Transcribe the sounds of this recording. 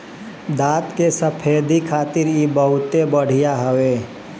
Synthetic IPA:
d̪aːt̪kesəpʰeːd̪ikʰaːt̪ɪɾjebəɦʊt̪ebəɽ̤ijaɦəweː

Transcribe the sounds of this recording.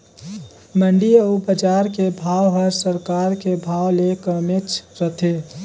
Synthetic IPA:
məɳɖiəubəd͡ʒaːɾkebʱaːwɦəɾsəɾkaːɾkebʱaːwlekəmet͡ʃʰɾət̪ʰe

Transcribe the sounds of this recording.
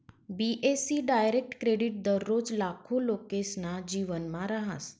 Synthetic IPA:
biʔesiɖajɾek̚ʈkɾeɖiʈ̚d̪əɾːod͡ʒlakʰolokeʃnad͡ʒiʋənmãɾəɦa̰s

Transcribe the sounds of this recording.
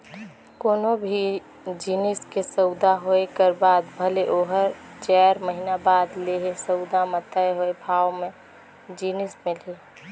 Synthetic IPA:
koːnobʱi | d͡ʒinɪskesəʊd̪aɦoekəɾbaːd̪bʱəleʔoːɦəɾt͡ʃɛɾməɦinabaːd̪leɦesəʊd̪amət̪əeɦoebʱaːmẽ | d͡ʒinɪsmẽle

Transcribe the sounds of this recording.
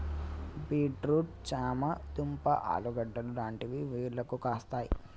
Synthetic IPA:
biːʈɾuːʈ̚t͡ʃaːmɐt̪umpɐ̰ʔa̰ːluɡɐɖːɐlulaːɳʈiʋiʋiːɾlɐkukaːst̪aːjḭ

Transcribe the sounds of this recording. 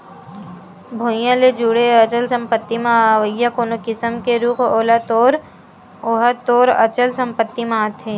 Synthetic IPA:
bʱoːjãled͡ʒuɽeɐt͡ʃəlsə̃mpət̪ːimãʋəɡjakoːnokɪsəmkeɾuːkʰoːlat̪oːɾ | oːɦat̪oːɾɐ̰t͡ʃəlsə̃mpət̪ːimãːt̪ʰeː

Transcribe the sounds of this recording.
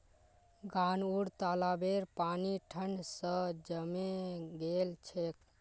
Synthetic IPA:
ɡanuɽt̪alabeɾpaniʈʰəɳɖsə̃d͡ʒəmeɡelt͡ʃʰek

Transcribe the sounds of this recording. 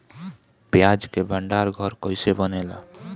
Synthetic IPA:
pjad͡ʒkebʱəɳɖaɾɡʱəɾkəɪsebənela̰

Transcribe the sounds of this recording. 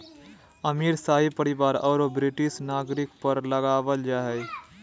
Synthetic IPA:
ɐmiːɾsaːɦipəɾɪʋaːɾɔːɾobɾɪʈɪʃnaːɡɾɪkpəɾləɡaːʋəld͡ʒaːɦɛː

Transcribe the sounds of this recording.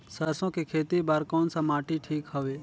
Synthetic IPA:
səɾsõːkekʰeːt̪ibaːɾkɔːnsãmaːʈiʈʰiːkɦəʋeː

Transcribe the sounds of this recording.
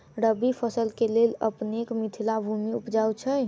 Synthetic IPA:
ɾəbipʰəsəlkelelə̰pnekmit̪ʰilabʱumiupd͡ʒawt͡ʃʰəj

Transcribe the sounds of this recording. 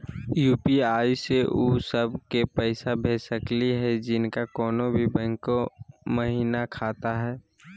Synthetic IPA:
juːpiaːiseʔuːsəbkepɛɪsabʱeːsəkliɦɛd͡ʒɪnkakɔːnobʱibɛ̃ŋkoməɦiːnakʰaːt̪aɦɛː

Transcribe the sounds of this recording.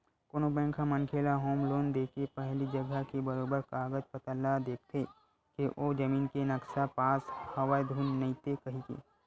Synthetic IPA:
koːnobɛ̃ːŋkʰamɐŋkʰeːlaɦoːmloːnd̪eːkepɛɦlid͡ʒɐɡəkebɐɾoːbəɾkaːɡəd͡ʒpɐt̪əlːad̪eːk̚ʰt̪ʰe | keʔoːd͡ʒɐmiːnkenɐksapaːshɐʋaːjd̪ʱuːnːɐit̪ekɐɦikḛː

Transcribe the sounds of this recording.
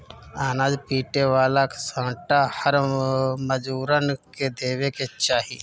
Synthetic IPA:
aːnaːd͡ʒpiːʈeʋaːlaksə̃ːʈahəɾməd͡ʒuːɾənked̪eːweket͡ʃaːɦḭː

